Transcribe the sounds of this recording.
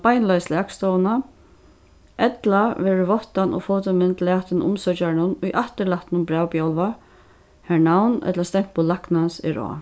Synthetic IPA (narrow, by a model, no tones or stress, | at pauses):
pajnlajslaːkst̪ɔːwna | ʔɛt̪laʋɛːɹɪvɔht̪anɔ̰fɔːwt̪əmɪnt̪laːt̪ɪnʊ̰msœt͡ʃaɹɪnʊnʊjʔaht̪ɪɾlaht̪ɪnʊmbɾaːwpjawlva | hɛɳawnɛ̰t̪last̪ɛŋ̥k̚pʊlːaknansɛ̰ɾɔ̰ː